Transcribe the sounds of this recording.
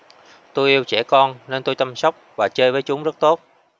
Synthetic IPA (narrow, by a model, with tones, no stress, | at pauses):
t̪o˧jʔi˧əwt͡ɕɛ˧˩kɔ˧nne˧nt̪o˧jt͡ɕa˧msa˦˥wk͡p̚vaː˨˩t͡ɕəː˧jvəː˨˦jt͡ɕʊ˨˦ŋ͡mzə˦˥t̚t̪o˦˥t̚